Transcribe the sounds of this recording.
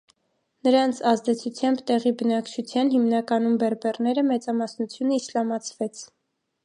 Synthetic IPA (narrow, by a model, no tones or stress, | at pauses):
nəɾɑnt͡sʰɑzd̪ɛt͡sʰut͡sʰjɑmbt̪ɛʁibənɑkt͡ʃʰut͡sʰjɑnɦimnɑkɑnumbɛɾbɛrnɛɾəmɛt͡sɑmɑsnut͡sʰjunəislɑmɑt͡sʰvɛt͡sʰ